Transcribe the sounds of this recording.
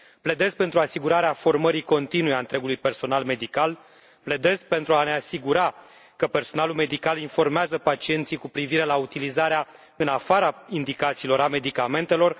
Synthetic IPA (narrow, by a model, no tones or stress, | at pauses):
ple̞d̪e̞zpe̞nt̪ɾuasiɡuɾaɾeafo̞rməɾiko̞nt̪inujeaɨnt̪ɾe̞ɡulujpe̞rso̞nalme̞d̪ikal | ple̞d̪e̞zpe̞nt̪ɾuane̞asiɡuɾa | kəpe̞rso̞nalulme̞d̪ikalinfo̞rmeazəpat͡ʃie̞nt̪sikupɾiviɾe̞laut̪ilizaɾea | ɨnafaɾaind̪ikat̪siːlo̞ɾame̞d̪ikame̞nt̪e̞lo̞r